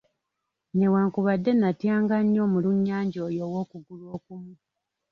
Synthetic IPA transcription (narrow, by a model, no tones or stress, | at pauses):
ne̞waːŋkuβadːe̞natjaːŋɡaɲːo̞ːmuluɲːaːɲɟoːjo̞ːwo̞ːkuɡulwo̞ːkumu